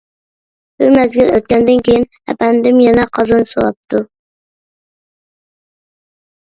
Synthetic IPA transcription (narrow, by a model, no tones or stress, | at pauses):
b̥ɨmæzɡʲɪløt̪̚kʲɛnd̪ɪnkʲʰejin | ɛ̰pænd̪ɪmjɛnɛqʰɑzɨnsoɾˠɑ̰p̚t̪ʰu